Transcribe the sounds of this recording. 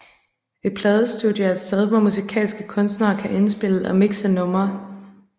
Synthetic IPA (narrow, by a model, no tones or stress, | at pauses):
e̝̥pʰlɛːðˠəsd̥ud̥ˠjɐæsɛðˠʋɒmusikʰɛ̰ːlsɡ̥əkʰɔ̽nsd̥nɐːkʰæʔe̝nsb̥e̝l̰əɒmiɡ̥sənɔ̽mɐ